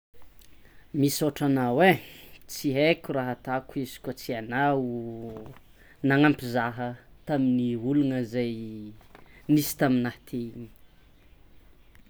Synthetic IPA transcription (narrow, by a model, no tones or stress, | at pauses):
misoʈ͡ʂanawet͡siɦekʲuraɦət̪akuizi̥kʲət͡sianau | naŋampizaɦət̪aminiulunəzaj | nisi̥t̪aminaht̪ʰeiɲi̥